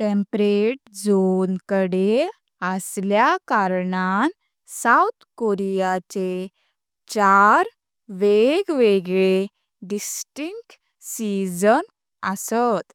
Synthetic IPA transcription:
ʈẽmpɾeʈ̚d͡zonkəɽe | əsljakaɾɳan | sawt̪ʰkoɾijat͡se | t͡ɕaɾ | ʋeɡʋeɡɭe | ɖisʈiŋkʈ | sid͡zən | əsət̪

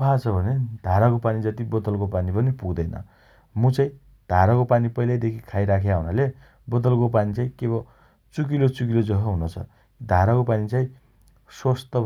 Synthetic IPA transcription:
pʰat͡sʰʌbʱʌned̪̥ʱaɾakopanid͡zʌt̪ibʌd̪ʌlkopanibʌnepuɡd̪ʌjnʌ̰ | mut͡saĩ | d̪̥ʱaɾakopanipʌjlajd̪ekʰikʰajɾakʰjaɦunale | bʌd̪ʌlkopanit͡saĩkebʌ | t͡sukilot͡suk̬ilod͡zʌɦʌɦunot͡sʰʌ̰ | kid̪ʱaɾakopanit͡sãĩ | sost̪ʌ

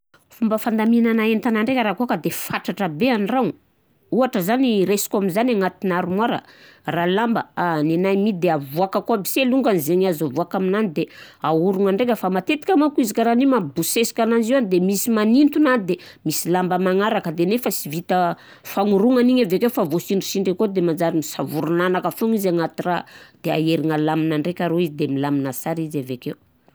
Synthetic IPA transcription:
fumbəfand̪aminanaent̪anaɳɖ͡ʐekʲəɾakuakəd̪efaʈ͡ʂaʈ͡ʂəbeanraŋ | uaʈ͡ʂəzaniɾesi̥kuaminzanaŋat̪inaɾumwaɾə̰ralambəanenajmid̪eavuakakabi̥seluŋɡanizeɲazavuakaminanid̪eauɾuŋaɳɖ͡ʐek̬ʲəfamat̪et̪i̥kʲamakuizikʲaɾanimabusesi̥kʲanand͡ʒianid̪emisimanint̪unanid̪e | misilambəmaŋaɾakəd̪enefasivit̪ə | faŋuɾuŋaniɲavekeufavosiɳɖ͡ʐisiɳɖ͡ʐekod̪emand͡ʒaɾimisavuɾunanakafuŋizaŋat̪irad̪̥ea̰eɾiŋalaminaɳɖ͡ʐekʲaɾoizid̪emilaminasaɾizavekew

